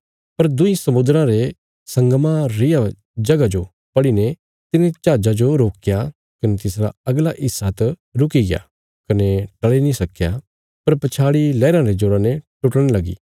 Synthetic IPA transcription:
pɐɾd̪ʊisɐmʊ̃nd̪ɾãɾe | sɐ̃ŋɡmãɾɪja | d͡ʒɐɡad͡ʒo | pɐɽine | t̪ɪnẽt͡ʃaːd͡ʒad͡ʒoɾoːkja | kɐnet̪ɪsɾa̰ɐɡlaʔɪsːat̪ɾʊkiɡɪja̰ | kɐneʈɐɭenĩsɐkːja | pɐɾpɐt͡ʃʰaːɽilɛːɾãɾed͡ʒoːɾãneʈʊʈəɽ̃elɐɡḭː

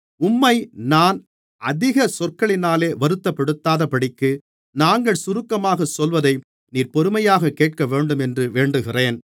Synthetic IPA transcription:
ʊmːɐɪnaːn | ʔɐðɪɣɐsɔrkɐɭɪnaːleːʋɐɾɯt̪ːɐpːɐɽɯt̪ːaːðɐpɐɽɪkːɯ | naːŋɡɐɭsʊɾɯkːɐmaːɣɐsɔlʋɐðɐɪ | niːɾpɔɾɯmɐjaːɣɐkeːʈ̚kɐʋeːɳɖɯmɛndrɯʋeːɳɖɯɣɪreːn

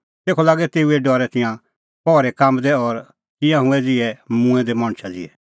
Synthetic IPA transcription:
t̪eːkʰolaːɡɛt̪eːuɛɖɔːɾɛt̪ɪ̃jã | pɔːɾɛkaːmd̪ɛɔɾ | t̪ɪ̃jãɦʊ̃ɛd͡zɪɛmũɛ̃d̪ɛmɔ̃ɽ̃t͡ʃʰad͡zɪ̰ɛ

